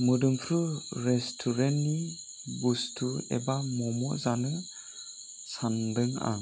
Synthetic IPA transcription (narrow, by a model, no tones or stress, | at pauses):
mɯdɯmpʰɾɯɾestʰuɾenni | bustʰuɛ̰bamɔmɔ̰zanɯ | sandɯŋa̰ŋ